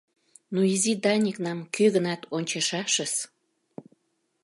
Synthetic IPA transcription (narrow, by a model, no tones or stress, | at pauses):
nuizid̪ɑnʲiknɑmkøɣənɑt̪onʲt͡ɕɑʃɑʃəs